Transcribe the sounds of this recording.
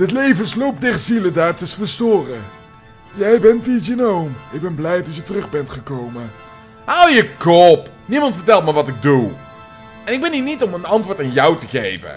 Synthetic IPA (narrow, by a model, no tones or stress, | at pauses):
dətlejvənslowp̚dɛrzilədaːɹtəsfəɹstʊːrə | jɛjbɛntiənowmɪɡ̚bɛnblɛjdɑtjətərɵχbɛntχəkowmə | owjəkɔp | nimɑntfəɹtɛlˠt̚maːɹʋɑtɪɡ̚du | ɛnɪɡ̚bɛniːnitɔmənɑntʋʊːtaːnjʌwtəχejvə̰